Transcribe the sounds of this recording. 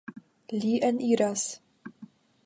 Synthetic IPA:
liːʔɛniːɾas

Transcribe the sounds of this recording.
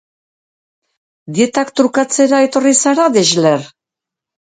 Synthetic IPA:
d̪ie̞t̪akt̪ɾukat͡se̞ɾae̞t̪o̞risaɾaðeʒler

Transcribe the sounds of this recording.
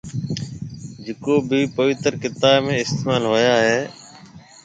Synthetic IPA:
d͡ʒɪkoːbʱiːpəʋɪt̪əɾkɪt̪aːbmẽːɪst̪eːmaːlɦoːjaːɦeː

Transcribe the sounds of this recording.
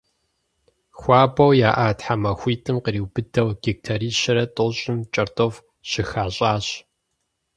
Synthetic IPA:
xʷɑːbɐwjaːʔaːtħamɐxʷiːtʼɨmqəriːwb̥ɨdɐwɡ̥ik̚tʰaːɾiːɕɪɾɐtʼoɕʼɪmt͡ʃʼɐrtʼof | ɕɪxaːɕʼaːɕ

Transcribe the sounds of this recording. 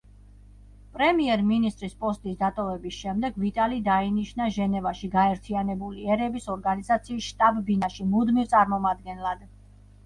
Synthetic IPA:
pʼɾɛmiɛɾminist̪ʼɾispʼɔst̪ʼisd̪at̪ʼɔvɛbisʃɛmd̪ɛɡvit̪ʼalid̪ainiʃnaʒɛnɛvaʃiɡaɛɾt̪ʰianɛbuliɛɾɛbisɔɾɡanizat̪sʰiːsʃt̪ʼabːinaʃimud̪mivt̪sʼaɾmɔmad̪ɡɛnlad̪

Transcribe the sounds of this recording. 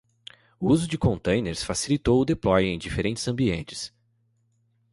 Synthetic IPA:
ʊuzʊd͡ʒɪkõnt̪ẽj̃neɾsfasilit̪owʊd̪eplɔjẽj̃d͡ʒifeɾẽnt͡ʃɪ̥z̥ɐ̃mbiẽnt͡ʃɪ̥s

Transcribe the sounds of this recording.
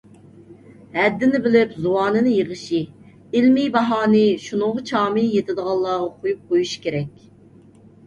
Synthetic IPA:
hɛd̪ːɪnɪbɪlɪpzuwɑːnɨnɨjəʁəʃi | ɪlmijbɑɦɑːnɨʃunʊŋʁɑt͡ʃʰɑːmɪjet̪ʰɪd̪əʁɑlˠːɑːʁɑqʰojup̚qʰojuʃkʲʰeɾɛkʲ

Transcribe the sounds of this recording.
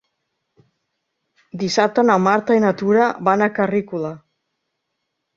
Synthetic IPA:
d̪isat̪anamaɾt̪ajnat̪uɾaβanakarikula

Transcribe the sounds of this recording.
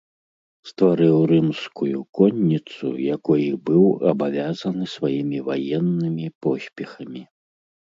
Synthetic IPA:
st̪vaɾɨwɾɨmskujukɔnʲːit̪sṵjakɔjibɨwɐ̰bavʲazɐnɨsvajimʲivajɛnːɨmʲipɔsʲpʲɛxɐmʲi

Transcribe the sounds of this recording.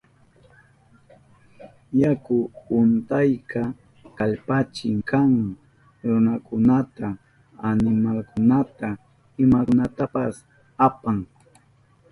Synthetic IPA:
jakʊʊnt̪ajka | kaʎpat͡ʃɪŋkaŋ | ɾʊnakʊnat̪aː | nɪmalkʊnat̪a | ɪmakʊnat̪apas | apaŋ

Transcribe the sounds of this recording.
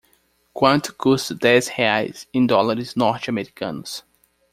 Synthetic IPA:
kwɐ̃nt̪kʰust̪d̪ɛzheajz̥ɪ̃nd̪ɔlaɾɪznɔɾt͡ʃamɛɾikɐ̰̃nʊs

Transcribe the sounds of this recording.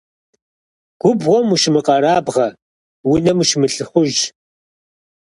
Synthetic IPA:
ɡ̥ʷʊbʁʷɔmuʃmɨqʼɐɾaːbʁɐ | wʊnɐmuʃmɨɬɨχʷʊʒ

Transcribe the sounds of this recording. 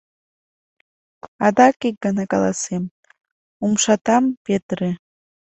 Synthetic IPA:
ɑd̪ɑkek̚ɡənɑkɑlˠɑ̰sem | umʃɑt̪ɑmpet̪ɾe

